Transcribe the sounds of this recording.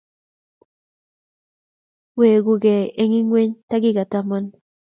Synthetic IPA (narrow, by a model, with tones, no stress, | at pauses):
we˨ɡu˦ɡɛ˨e˦ŋɪ˦ŋwe˦ɲta˦ɡɪ˦ɡa˨ta˦ma˦n